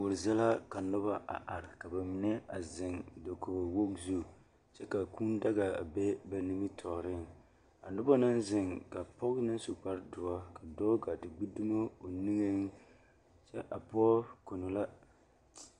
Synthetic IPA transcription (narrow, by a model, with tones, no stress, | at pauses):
wʊ˨ɾzɛ˦la˦ka˨nʊ˦ba˦ʔa̰˨ʔa˨ɾɪ˨ka˨ba˨mi˨nɛ˦a˨zɪ˨ŋdo˨ko˨wo˦kzu˦˨ | t͡ʃɛ˦ka˨ku˦nda˦ɡa˨a̰˨be˦ba˨ni˦mi˦tʰɔ˨ɾɪ˦n | a˨nʊ˦ba˦nɨ˦nzɪ˨ŋka˨pɔ˦knɨ˦su˨k͡pa˦ɾdʊ˨a˦ka˨dɔː˦ɡa˨tɨ˨ɡ͡bu˦du˦ma˦o˨ni˦ŋe˦n | t͡ʃɛ˦ʔa˨pɔ˦ko˨no˨la˦